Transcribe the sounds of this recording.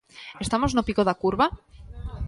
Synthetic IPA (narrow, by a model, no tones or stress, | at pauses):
est̪amoznopiɣoðakuɾβa